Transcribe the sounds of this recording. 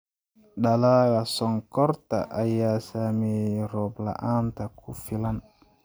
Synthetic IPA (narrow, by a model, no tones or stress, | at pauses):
ɗalaɡasɔŋkɔɾta̰ʔajasamiɾɔbla̰ʔantakʰufilan